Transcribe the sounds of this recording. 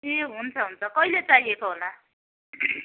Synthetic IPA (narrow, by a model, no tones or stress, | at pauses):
eɦunt͡sʰʌɦunt͡sʰʌkʌilet͡saɦiekoɦola